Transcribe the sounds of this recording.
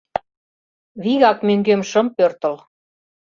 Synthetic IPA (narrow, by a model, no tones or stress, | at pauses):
βiɣɑkmøŋɡemʃə̆mpørt̪ə̆l